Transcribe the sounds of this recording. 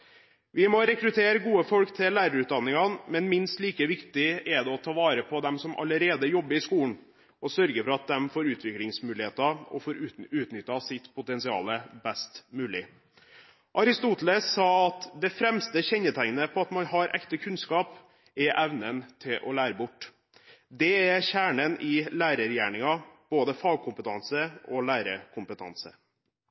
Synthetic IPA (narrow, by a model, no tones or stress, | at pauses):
ʋɪmɔɾɛkɾʉt̪ʰeːɾəɡuːəfɔlkt̪ʰɪlæːɾəɾʉːt̪d̪ɑnːɪŋɑnmɛnmɪnst̪liːkəʋɪkt̪ɪɛd̪ɛɔt̪ʰɑːʋɑːɾəpʰɔd̪ɛmsɔmʔɑ̰ləɾeːd̪əjɔbːəɾɪskuːln̩ | ɔsœɾɡəfɔɾɑt̪̚d̪ɛmfoːɾʉːt̪ʰʋɪklɪŋsmʉːlɪheːt̪ɑɔ̰foːɾʉʉːt̪nʏt̪ːɑsɪt̪pʰʊt̪ɛnsɪɑ̰ːləbæst̪mʉːlɪ | ʔɑɾɪst̪uːt̪əl̩əsɑːɑt̪d̪ɛfɾɛmst̪əçɛɲːət̪ʰæŋnəpʰɔɑt̪mɑnɦɑɾʔɛ̰kt̪əkʰʉnskɑːp | ɛʔæʋnənt̪ʰɪlʔɔ̰læːɾəbʊʈː | d̪ɛæɾçæːɳənɪlæːɾəɾjæːɳɪŋɑb̥oːd̪əfɑːɡ̚kʰʊmpət̪ʰɑnsəɔlæːɾəkʰʊmpət̪ʰɑ̰nsə̰